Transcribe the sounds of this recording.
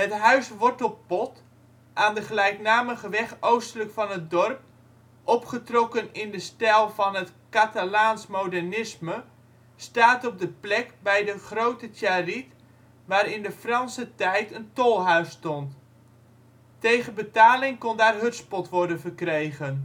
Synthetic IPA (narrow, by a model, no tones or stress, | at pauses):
ɦətɦœɥsʋɔɹtɔlˠpɔt | ʔaːndəχəlɛjknaːməχəʋɛχowstələkfɑnɦət̚dɔrp̚ | ʔɔpχətrɔkənɪndəstɛlˠvɑnɦətkatalaːnsmowdɛrnɪsmə | staːtɔb̚dəplɛkbɛjdəχrowtətarit | ʋaːɾɪndəfrɑnsətɛjtəntolˠɦœɥstɔnt | tejχənbətaːlɪŋkondaːrɦɵtspɔtʋɔrdənvərkrejɣən